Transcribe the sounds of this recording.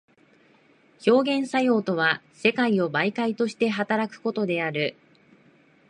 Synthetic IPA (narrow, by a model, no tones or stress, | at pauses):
ço̞ːɡẽ̞ɰ̃sajo̞ːt̪o̞β̞a | se̞kaio̞baikait̪o̞ɕi̥t̪e̞ɦat̪aɾakɯ̟̥ko̞t̪o̞d̪e̞aɾɯ̟